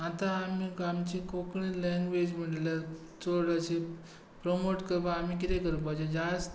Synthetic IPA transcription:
at̪ãːmikamt͡ɕikokɳilɛŋɡʋed͡ʑmiɽlja | t͡soɽat͡ɕe | pɾomoʈkəɾbaːm̤ik̬it̪ɛkəɾũpad͡ʑad͡ʑas

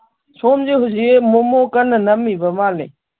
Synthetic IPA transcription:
t͡ʃʰoːmd͡ʒeːɦʊd͡ʑieːmomoːkənnəmĩːbəmaːlḛː

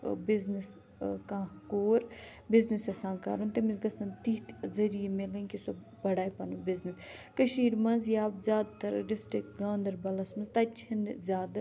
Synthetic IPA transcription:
bɪznɪs | kãːkoːɾ | bɪznisɐsãːnka̰ːɾunt̪ɐmizɡɐsɐnt̪iːt̪zɐɾijemelɐnʲkisob | bɐɽaːjpɐnubɪzniskəʃiːɾmɐnzjaːbzʲjaːd̪̚t̪ɐɾɖɪsʈɾɪk̚ɡãːnd̪ɐɾbɐlɐsmɐnzt̪ɐt͡ʃʰɐnzʲjaːd̪

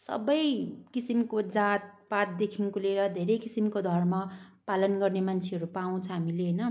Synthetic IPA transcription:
sʌ̰bʌjkisimkod͡zat̪̚pat̪̚d̪ekʰinkuleɾʌd̪ʱeɾʌjkisimkod̪ʱʌrmʌpalʌnɡʌrnemant͡sʰeɦʌɾupaw̃t͡sʰʌɦamileɦnʌ

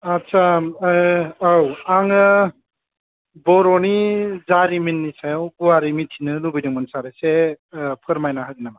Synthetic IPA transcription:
asa | awaŋɯ | bɔɾɔnizaɾiminːisajawɡuaɾimitʰinɯlubijdiŋmɯnsaɾesepʰɯɾmajnaɦadinama

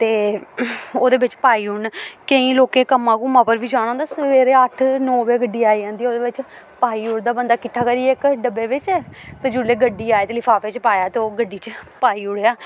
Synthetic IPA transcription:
t̪eː | oːd̪eːʋɪt͡ʃpaːiːʊɳkəĩːloːkeːkəmːãːkũːmãːpəɾʋiːd͡ʒaːɽ̃ːnd̪aːsəʋeːɾeːəʈʰnɔːʋeːɡəɖiːaːiːd͡ʒãːnd̪iːoːd̪eːʋɪt͡ʃ | paːiːʊɽd̪aːbənd̪aːkɪʈʰːaːkəɾiːeɪkɖəbeːʋɪt͡ʃɛːt̪ed͡ʒʊleːɡəɖːiːaːeːt̪elɪpʰaːfeːt͡ʃpaːjaːt̪eːoːɡəɖːiːt͡ʃpaːiːʊɽeaː

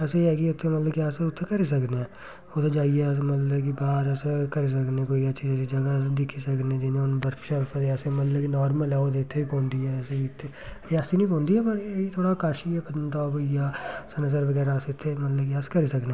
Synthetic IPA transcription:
ɛːseɦɛːkiʊt̪ʰːemət̪ləbkjaːseʊt̪ʰːekəɾeːs̬əkneː | ot̪ʰed͡ʒaːiɛsmət̪lbkibaːɾɛːskəɾeːs̬əknẽːkoːiəʃʰid͡ʒsid͡ʒəɡasd̪ɪkʰːisəkneːd͡ʒ̪inẽʊnbəɾfʃəɾfʰət̪eɛːsemət̪ləkinɔːɾməlɦɛːoːt̪eɪt̪ʰːeːiːpɔ̃ːnd̪iːɛːɛːseit̪ʰːe | ɾɪjaːsiːnĩːp̬ɔ̃ːnd̪iːɦɛːpəɾit̪ʰoːɽaːkaːʃiɛːpəənt̪aːbijaːsənəsəɾʋəɡɛːɾaseʊt̪ʰːeːmət̪ləbkɪjaːskəɾeːsəkneː

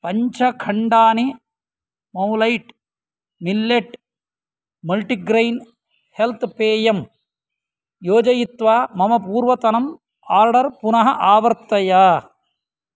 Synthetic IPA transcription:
pɐɲt͡ʃʰɐkʰɐɳɖaːni | mɐwlɐjʈ | milːeʈ | mɐlʈiɡɾɐjn | helt̪ʰpeːjɐm | joːd͡ʒɐjit̪ʋaːmɐmɐpuːɾʋɐt̪ɐnɐm | aːɾɖɐɾpunɐɦɐʔaːʋɐɾt̪ːɐja

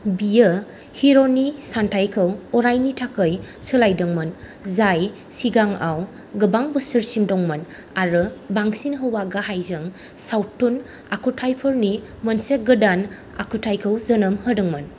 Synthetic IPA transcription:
bijə | hiɾonisantʰajkʰɯwɔɾajnitʰakʰəjsɯlajdɯŋmɯn | zaj | siɡaŋaw | ɡɯbaŋbəsɯɾsimdɔŋmɯn | aɾɯbaŋsinɦɯwaɡaɦajzɯŋ | sawtːun | akʰutʰajpʰɯɾni | mənseɡɯdan | a̰kʰutʰajkʰɯwzɐnɯmhədɯŋmɐn

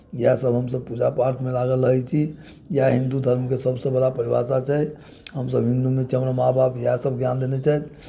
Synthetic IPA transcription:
jasəbɦəmsəb̚pud͡ʒapaɾʈʰmelaɡələɦɛt͡ʃʰi | jaɦind̪ud̪ʱəɾmk̬esəbsə̃bəɽapəɾiba̰sat͡ʃʰɛj | ɦəmsəbɦĩnd̪umet͡ʃʰiɦəmɾəmabʱapjasəbɡjand̪enet͡ʃʰɛjt̪

